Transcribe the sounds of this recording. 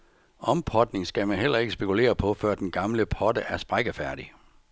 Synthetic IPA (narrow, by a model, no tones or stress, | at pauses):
ʔɒ̽mpʰɒd̥ne̝ŋsɡ̥æmænɦel̰ɐe̝ɡ̥əsb̥e̝kʰule̝̰ːɐpʰɒ̽fɶɐ̰d̥enɡ̥ɑ̈mləpʰɒ̽d̥əʔæɐsb̥ʁaɡ̥əfæɐ̰d̥i